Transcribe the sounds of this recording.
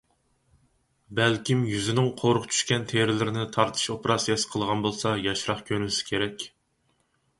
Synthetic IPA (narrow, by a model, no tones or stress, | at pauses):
bɛlkʲimjyzɪnɪŋqʰoɾʊʁt͡ʃʰy̥ʃkʲɛnt̪ʰeɾɪlɪɾɪnɪt̪ʰɑɾt̪ʰɨ̥ʃopeɾɑsijɑsə̥qʰəlˠʁɑnbolˠsɑjɑʃɾɑχkʲʰøɾmɪsɪ̥kʲʰeɾɛkʲ